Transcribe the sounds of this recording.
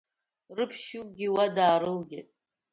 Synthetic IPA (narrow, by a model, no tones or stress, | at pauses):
rɨpʰʃɪwɡʲiwadaːɾɨlɡʲɪ̰tʼ